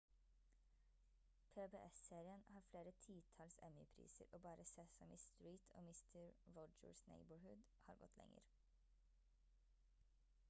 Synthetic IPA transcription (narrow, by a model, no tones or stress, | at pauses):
pʰeːbeːʔɛseːɾɪənhɑːɾfleːɾət̪ʰiːt̪ʰɑlsɛmɪpʰɾḭːsə̰ɾʔoːbɑːɾəseːsɑmʔɪːst̪ɹiːt̪ʰo̰ːmɪst̪ʰəɹɹɔd͡ʒə̰ɹsnḛɪbəɹhʉd̪ | hɑːɾɡɔ̰t̪ʰlɛ̰ŋə̰ɾ